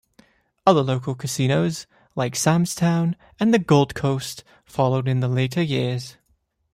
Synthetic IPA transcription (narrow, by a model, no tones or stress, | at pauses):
ʌðə˞loʊkl̩ˠkʰɨsĩñoʊz̥ | laɪksæ̃mz̥tʰãʊ̃n | ɨ̃nðɨɡoʊlˠd̚kʰoʊst | fɑlˠoʊɾɨ̃nðəleɪɾə˞jɪɹz̥